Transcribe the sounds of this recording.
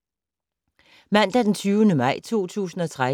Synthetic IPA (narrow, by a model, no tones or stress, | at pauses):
mæn̰d̥æd̥ent͡sʰyːʊənəmɑ̈ɪ̰t͡sʰo̝̰ːt͡sʰṵːsn̩ɒ̽t͡sʰʁa